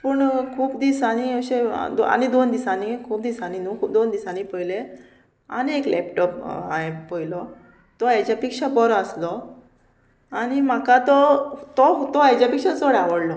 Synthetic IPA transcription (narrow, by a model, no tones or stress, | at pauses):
puɳkʰuːpd̪isañiəɕḛd̪a̰nid̪ond̪isanikʰuːp̚d̪isaninũkʰuːp̚d̪ond̪isanipəjle | a̰ñieklʔɛ̰pʈɔpaɦepəjilɔ | t̪ɔjat͡ɕapikʂabɔɾɔəslɔ | añim̤akat̪ɔt̪ɔt̪ɔat͡ɕapikʂad͡zoɽaʋəɽlɔ